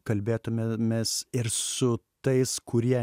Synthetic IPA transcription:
kɐlʲbʲeːt̪ʊmʲmʲesɪɾsʊt̪ɐɪskʊɾʲiɛ

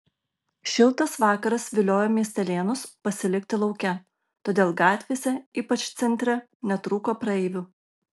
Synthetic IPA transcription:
ʃʲɪlˠˑt̪ɐsʋɑːkɐɾɐsʋʲɪlʲoːjoːmʲiɛsʲt̪ʲɛlʲeːnʊspɐsʲɪlʲɪkʲt̪ʲɪlˠɒʊkʲɛ | t̪oːd̪ʲeːlˠɡɑːt̪ʲʋʲeːsʲɛiːpɐt͡ʃt̪sʲɛnʲt̪ʲɾʲɛ | nʲɛt̪ɾuːkoːpɾɐɛːʋʲuː

